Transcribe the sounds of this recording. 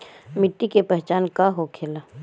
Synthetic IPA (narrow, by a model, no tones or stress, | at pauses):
mɪʈːikepɛɦt͡ʃaːnkaɦokʰeːlaː